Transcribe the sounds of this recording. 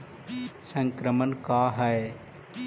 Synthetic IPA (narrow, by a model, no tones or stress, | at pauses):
sə̃ŋkɾəmənkaːɦəe